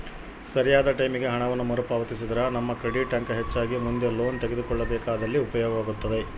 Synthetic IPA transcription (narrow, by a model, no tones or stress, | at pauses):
sɐɾijaːd̪ɐʈɐjmiɡe̞ɦɐɳɐʋɐnːumɐɾupaːʋɐt̪isid̪ɐɾɐnɐmːɐkɾeɽiʈɐŋkɦet͡ʃːaːɡimund̪e̞lo̞ːnt̪eɡed̪ukɔɭːɐbɛːkaːd̪ɐlːiupɐjɔːɡɐʋaːɡut̪ːɐd̪e̞